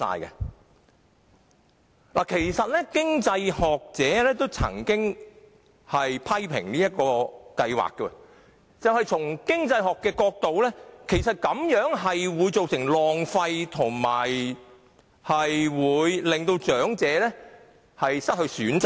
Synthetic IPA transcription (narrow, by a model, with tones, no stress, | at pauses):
sa̰ː˧jkɛ̰˧ | laː˨˩kʰe˨˩jsɐ˨t̚lɛː˥kɪ˥ŋt͡sɐ˧jhɔː˨k̚t͡sɛː˨˥lɛː˥t̪o˥wt͡sʰɐ̰˨˩ŋkɪ˥ŋ | hɐ˨jpʰɐ˥jpʰɪ̰˨˩ŋniː˥jɐ˥t̚kɔː˧kɐ˧jwa̰ː˨kːɛ˧ | t͡sɐ˨wɦɐ˨jt͡sʰʊ˨˩ŋkɪ˥ŋt͡sɐ˧jɦɔː˨kːɛː˧kɔː˧k̚t̪o˨wlɛː˥kʰe˨˩jsɐ˨t̚kɐ˨˥mjœː˨˥ŋɦɐ˨jwuː˨˧jt͡so˨wsɪ˨˩ŋlɔː˨ŋfɐ˧jt̪ʰʊ˨˩ŋma̰ː˨˩j | hɐ˨jwuː˨˧jlɪ˨˩ŋt̪o˧wt͡ʃœː˨˥ŋt͡sɛː˨˥lɛ˥ | hɐ˨jsɐ˥t̚hɵ˧ɥsyː˨˥nt͡s